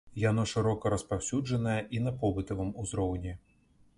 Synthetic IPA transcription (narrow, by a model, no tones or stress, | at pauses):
jan̪ɔʂɨɾɔkɐɾɐspawsʲud͡ʐɐnɐjɐʔinɐpɔbɨt̪ɐvɨmuzɾɔwnʲi